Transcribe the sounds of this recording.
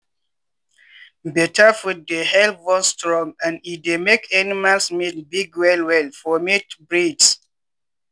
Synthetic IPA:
bɛtafut̚dehɛlpwɔ̃nstɹɔ̃ŋãnidemekʰanimalsmitlbiɡwɛlwɛlfɔmitbɹids

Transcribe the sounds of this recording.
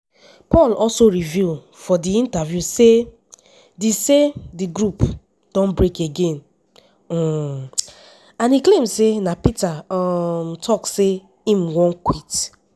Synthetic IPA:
pɔlɔlsoɾivul | fɔdiĩntavjuse | disediɡɾup | d̥ɔ̃nbɾekeɡẽn̩ | ãniklẽmsenapitaɔmtʰɔkse | ĩm̩wɔ̃nkwit

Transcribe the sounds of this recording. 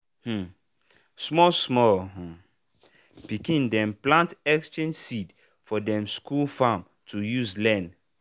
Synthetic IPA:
h̩ | smɔsmɔlɦɔ̃ | pikĩndɛ̃mplãntɛkstɹẽnsid | fɔdɛ̃mskʰulfãm | tʰujuzlɛ̃n

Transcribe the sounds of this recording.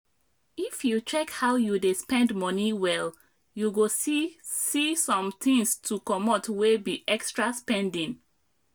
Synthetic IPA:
ifjut͡ʃɛkhaʊjudespɛ̃ndmɔniwɛl | juɡossisɔ̃mt̪ĩŋstʰukɔmotwebiʔɛkstɹaspɛ̃ndĩn

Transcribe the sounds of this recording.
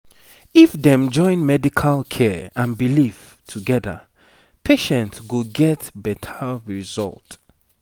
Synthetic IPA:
ifdɛ̃md͡ʒɔ̃ɪ̃nmɛdikʰalˠkʰɛãnbilif | tʰuɡɛðə̰ | pʰeʃɛ̃ntsɡuɡɛtbɛtʰəɹizɔ̰lˠt

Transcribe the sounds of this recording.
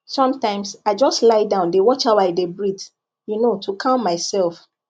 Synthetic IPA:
sɔ̃mtãɪ̃msaɪd͡ʒɔstlaɪdãʊ̃ndewɔt͡ʃaʊaɪdebɹit | junotʰukʰãʊ̃nmaɪsɛlf

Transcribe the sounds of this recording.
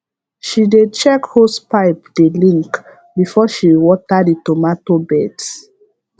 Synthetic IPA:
ʃided̚t͡ʃɛkhospaɪp̚delĩŋk | bifɔʃiwɔtaditɔmatobɛds

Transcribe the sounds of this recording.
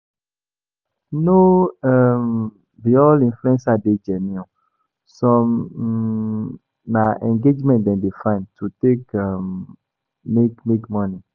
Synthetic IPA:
noɛm | viɔlĩnfluɛ̃nsaded͡ʒɛnĩɔ̃ | sɔ̃m | naʔɛ̃ŋɡed͡ʒmɛ̃ntdɛ̃ndefãɪ̃ntʰutekamː | ekmekmɔ̃ni

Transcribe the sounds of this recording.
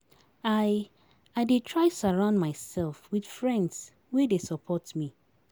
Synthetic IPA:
aɪ | aɪdetʰɹaɪsaɹãʊ̃ndmaɪsɛlfwidfɹɛ̃nds | wedesɔpʰɔtmi

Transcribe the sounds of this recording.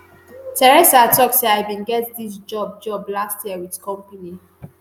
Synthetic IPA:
tʰɛɹɛsatɔkseaɪbĩnɡɛtdis̬d͡ʒɔb̚d͡ʒɔblastjiəwidkɔ̃mpəni

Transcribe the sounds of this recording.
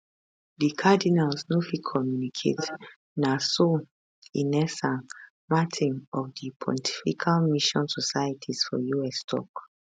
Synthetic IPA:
dikʰadinalsnofikʰɔmjunikʰḛt | naso | inɛsãn | matʰĩnɔfdipʰɔ̰̃ntʰi̥fikʰalmiʃɔ̃nsɔsajatʰisfɔ̰juɛstʰɔ̰k

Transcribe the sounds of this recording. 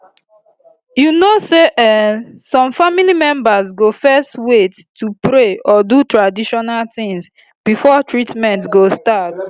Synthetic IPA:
junoseʔɛsɔ̃mfamilimɛ̃mbazɡofɛstwetːupɾeɔdutɹadiʃɔnalt̪ɪ̃ŋs | b̥ifɔtɹitmɛ̃ntɡostat

